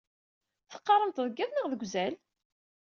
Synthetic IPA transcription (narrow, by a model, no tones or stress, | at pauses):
θə̥qːɑɾˤəmt̪ðˤəɡːæðnəʁðəɡʷzæl